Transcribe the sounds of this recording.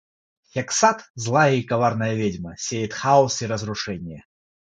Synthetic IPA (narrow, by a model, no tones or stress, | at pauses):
xʲɛksat̪zlˠajɐikavarnɐjɐvʲed͡zʲmɐsʲejit̪xausiɾɐzɾuʂɛnʲijɛ